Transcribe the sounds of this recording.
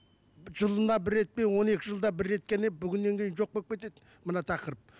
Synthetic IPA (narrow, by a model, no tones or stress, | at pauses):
ʒəlˠənd̪ɑbɪɾːe̞t̪̚pe̞nwo̞ne̞kʲɪʒəlˠd̪ɑbɪɾːe̞t̪̚kʲenebʏɡʲɪnːe̞ŋkʲejɪnʒo̞q̚pekʲet̪e̞d̪ɪ | mənɑt̪ʰɑqəɾəp̚